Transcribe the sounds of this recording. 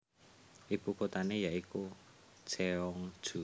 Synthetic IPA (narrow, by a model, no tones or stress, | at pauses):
ʔibukot̪anejaʔiku̥t͡ʃeɔŋd̥ʒ̥ṳ